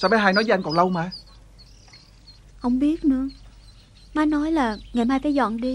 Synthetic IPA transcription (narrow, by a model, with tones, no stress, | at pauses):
sɔː˧˩ɓɛ˧˦ɦaː˧jnɔ˨˦jəː˦ʔa˧ŋkɔ˨˩nlə˧wmaː˧ | hə˧˩wŋ͡mɓi˦˥ət̚nɨ̰˧˥˦ə | maː˧jnɔ˨˦jlaː˨˩ŋa˨˩maː˧jkaː˨˦jzɔ̰˧˨nɗi˧